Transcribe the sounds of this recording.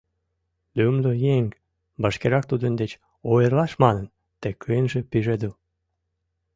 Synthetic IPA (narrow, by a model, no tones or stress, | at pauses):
lymd̪ojeŋ | bəʃkeɾɑk̚t̪ud̪ənd̪et͡ɕ | ojərlɑʃmɑnən | t̪ekʰːəjənʒĕpiʒed̪əl